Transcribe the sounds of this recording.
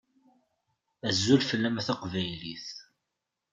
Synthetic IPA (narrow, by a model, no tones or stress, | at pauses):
æzːulfəlːæmθɑqvæjlḭθ